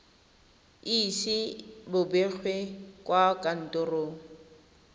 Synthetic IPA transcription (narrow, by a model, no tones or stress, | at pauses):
isɪbʊbek͡xʰwekʼwakʼan̩tʼʊroːŋ̩